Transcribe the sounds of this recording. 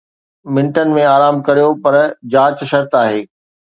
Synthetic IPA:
mɪ̃ɳʈən̆mẽaːɾaːmkɐɾijopɐɾd͡ʑaːt͡ɕʃɐɾt̪aːɦeː

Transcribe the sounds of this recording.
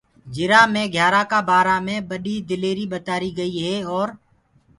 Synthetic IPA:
d͡ʒɪɾaːmẽːɡʱjaːɾãːkaːbaːɾaːmẽːɓəɗiːd̪ɪleːɾiːɓət̪aːɾiːɡəiːɦeːɔːɾ

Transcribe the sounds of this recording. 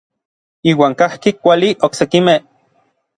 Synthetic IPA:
iːwaːŋkahkikʷaliʔoksekimeh

